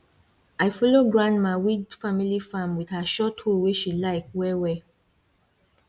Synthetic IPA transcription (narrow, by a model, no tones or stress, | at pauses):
aɪfɔloɡɹãntmaɪwidfamilifãmwið̥haʃɔtholweʃilaɪkwɛwɛ